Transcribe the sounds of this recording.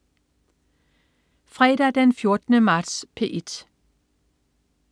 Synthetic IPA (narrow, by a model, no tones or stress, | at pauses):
fʁɛːd̥æd̥enfjo̝ɐd̥ənəmɑ̈ːd̥spʰe̝ʔed̥